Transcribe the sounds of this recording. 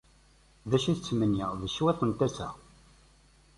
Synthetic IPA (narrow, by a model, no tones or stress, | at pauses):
ðæʃiθət͡sːmənːiʁðəʃːwæθənt̪æsæ̰